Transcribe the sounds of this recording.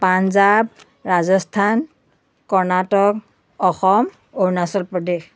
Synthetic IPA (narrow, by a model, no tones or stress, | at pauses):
panzab̚ | ɹazɔstʰan | kɔɹnatɔk | ɔxɔm | oɹnasɔlpɹɔdex